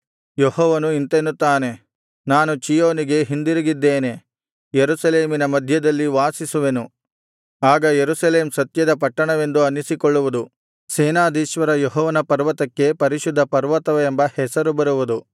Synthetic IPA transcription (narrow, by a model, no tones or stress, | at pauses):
jehɔːʋɐnuint̪enːut̪ːaːne̞ | naːnut͡ʃijoːniɡe̞ɦind̪iɾiɡid̪ːeːne̞ | jeɾusɐleːminɐmɐd̪ʱjɐd̪ɐlːiʋaːsisuʋe̞nu | aːɡɐjeɾusɐle̞ːmsɐt̪jɐd̪ɐpɐʈːɐɳɐʋe̞nd̪uɐnːisikɔɭːuʋud̪u | seːnaːd̪iːʃʋɐɾɐjɔɦɔːʋɐnɐpɐɾʋɐt̪ɐkːe̞pɐɾiʃud̪ʱːɐpɐɾʋɐt̪ɐʋɐːmbɐhɛsɐɾubɐɾuʋud̪u